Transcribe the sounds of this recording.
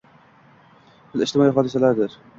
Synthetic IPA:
bɪlɪʃt̪ɪmɒːiɦɒːd̪ɪsalaɾd̪ɪɾ

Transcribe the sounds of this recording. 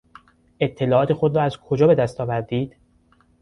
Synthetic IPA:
e̞t̪ʰːe̞lɒːɒːt̪ʰexo̞d̪ɾɒːæzkʰo̞d͡ʒɒːbe̞d̪æst̪ɒːvæɾd̪iːd̪̥

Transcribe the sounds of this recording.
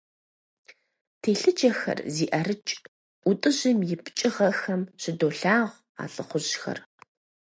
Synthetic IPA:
tʰeːɬɨd͡ʒɐxɐ̰rziːʔɐrɨt͡ʃʼ | ʔʷʊtʼɨʑɪmjɪpʰt͡ʃʼɪʁɐxɐmɕɪdoːɬaːʁʷ | a̰ːɬʼɨχʷʊʑxɐ̰r

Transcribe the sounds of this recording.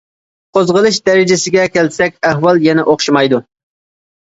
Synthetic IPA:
qʰozʁəlˠɨʃd̪ɛɾɪd͡ʒɪsɪɡʲɛkʲʰɛlsɛkʲɛɦwɑlˠjɛnɛʔoχʃimɑjd̪u

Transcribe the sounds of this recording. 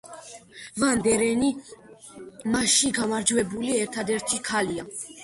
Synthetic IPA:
vand̪ɛɾɛni | maʃiɡamaɾd͡ʒvɛbuliɛɾt̪ʰad̪ɛɾt̪ʰikʰalia

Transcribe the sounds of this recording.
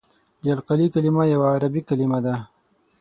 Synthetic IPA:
d͡ʒalqalikalimajawaːɾabikalimad̪a

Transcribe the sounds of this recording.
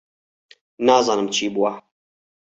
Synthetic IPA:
nɑːzɑːnɨmt͡ʃʰiːbuwa

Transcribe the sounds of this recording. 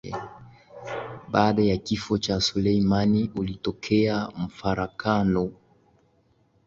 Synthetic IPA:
ɓaːɗajakifɔt͡ʃasulɛimaniulitɔkʰɛam̩faɾakanɔ

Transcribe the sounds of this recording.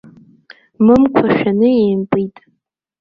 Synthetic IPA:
mɨmkʷʰaʃᶣanɨeːmpʼitʼ

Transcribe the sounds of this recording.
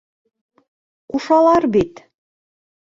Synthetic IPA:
uʃɑlˠɑɾbit̪

